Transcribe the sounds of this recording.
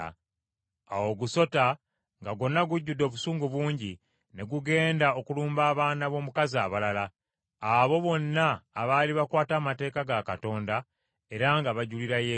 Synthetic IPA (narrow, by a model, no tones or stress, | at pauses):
a̰wo̞ɡuso̞ta | ŋɡaɡo̞nːaɡuɟːudːo̞ːβusuːŋɡuβwuːɲɟi | ne̞ɡuɡe̞ːndao̞kuluːmbaːβaːnaβo̞ːmukaziaβalala | aβo̞βo̞nːaːβaliβakwaːtaːmate̞ːkaɡakato̞ːnda | e̞ɾaŋɡaβaɟuliɾaje